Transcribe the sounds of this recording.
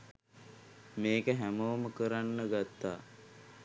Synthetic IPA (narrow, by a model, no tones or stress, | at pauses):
meːkəɦæmoːməkəɾanːəɡat̪ːaː